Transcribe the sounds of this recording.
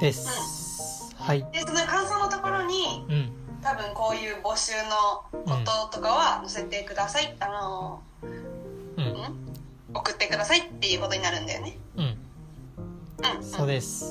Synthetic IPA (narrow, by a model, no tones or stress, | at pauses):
d̪̥esɯ̟̃ɴ | haiet̪ːomoekãɰ̃so̞ːnot̪o̞ko̞ɾo̞ɲ̟ĩ | t̪abɯ̟̃ŋko̞ːjɯ̟ːbo̞ɕɨːno̞oo̞t̪o̞kaβanose̞t̪e̞kɯ̟d̪asaiano̞ | ɯ̟̃ɴ | o̞kɯ̟t̪ːe̞kɯ̟d̪asait̪ːe̞jɯ̟ːko̞t̪o̞ɲinaɾɯ̟̃nd̪a̰jo̰ne̞ɯ̟̃ | ɯ̟̃ɴsɯoːd̪es